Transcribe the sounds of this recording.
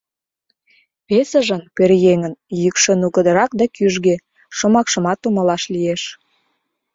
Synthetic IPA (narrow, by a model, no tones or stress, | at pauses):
βesəʒə̆npeɾjeŋənjykʃə̆nuɣəd̪əɾɑk̚d̪ɑkyʒɣe | ʃomɑkʃə̆mɑt̪ːuməlɑʃlieʃ